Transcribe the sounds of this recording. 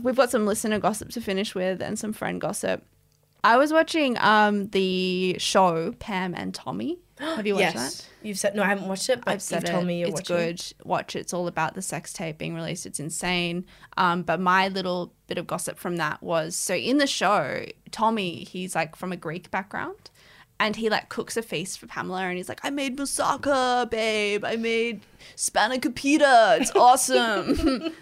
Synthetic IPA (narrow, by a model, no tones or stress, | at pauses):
wivɡɑtsʌ̃mlɪsɨnə˞ɡɑsəp̚tʰɨfɪ̃nɨʃwɪðɨ̰̃nsʌ̃ɱfɹɛ̰̃ndɡ̥ɑsɨ̰p̚ | ʔaɪwʌzwɑt͡ʃɪ̃ŋʌ̃mðɨʃoʊpʰæ̃mɨ̰̃ntʰɑ̰mi | hɨvjɨwɛðæ̰t̚jʉv̥sɛdⁿnoʊaɪhævn̩wɑt͡ʃtɨt̚b̥ʌɪv̥sɛɾɪmiɨɨsɡ̥ʊdwɑ̰t͡ʃɨsɔlˠəbaʊt̪̚ðɨsɛkstʰeɪb̥ḭɪ̃ŋɹilḭstɨtsɨ̃n̩sẽɪ̃nʔʌ̃mb̥ʌt̚maɪlɪɾl̩ˠb̥ɪɾʌvɡɑsɨ̰pfɹʌ̃mðə̰ʔ̚wʌz̥soʊʔɪ̃nðɨʃoʊtʰɑmiiz̥laɪkfɹʌ̃mɨɡɹeɪkb̥æk̚ɡ̥ɹã̰ʊ̃nd̥ | ʔɨ̃nilaɪkʰʊksɨfeɪsfə˞pʰæ̰̃ml̩ˠə˞ɨ̃nizlaɪkaɪmeɪd̚məsɑ̰kəbeɪɪbaɪmeɪd | spænɨkʰɨ̃m̩pʰj̥ʉɾə˞ɪtsɔsə̃m